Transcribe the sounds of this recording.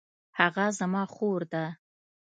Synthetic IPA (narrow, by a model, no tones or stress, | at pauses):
haɣazamɑxoɾd̪a